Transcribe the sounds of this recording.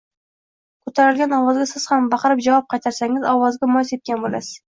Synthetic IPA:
kʰɵt̪ʰaɾɪlɡʲanɒvɒzɡʲasɪz̥hambɑqʰɨɾɪp̚d͡ʒavɒp̚qʰɑjt̪ʰaɾsaŋɪzɒvɒzɡʲamɒjset̪̚kʲanbola̰sɪ̥z̥

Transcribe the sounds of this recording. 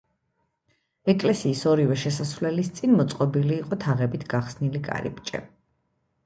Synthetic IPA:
ɛkʼlɛsiːsɔɾivɛʃɛsasvlɛlist̪sʼinmɔt̪sʼqʼɔbiliːqʼɔt̪ʰaʁɛbit̪ʰɡaχsnilikʼa̰ɾḭpʼt͡ʃʼɛ̰

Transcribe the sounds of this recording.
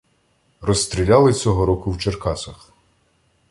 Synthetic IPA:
rɔst̪ɾʲilʲalˠɪt͡sʲɔɦɔɾɔkʊwt͡ʃerkɑsɐx

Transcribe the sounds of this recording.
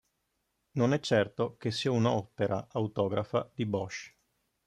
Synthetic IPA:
nonɛt͡ʃːɛrt̪okesːiːaunɔpeɾʔaawt̪ɔːɡɾafad̪ibɔʃ

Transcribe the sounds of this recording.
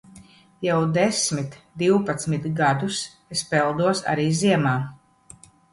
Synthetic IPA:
jawd̪esmit̪d̪iwpat̪smit̪ɡad̪us | espɛlˠd̪uɔsa̰ɾiːziɛmaː

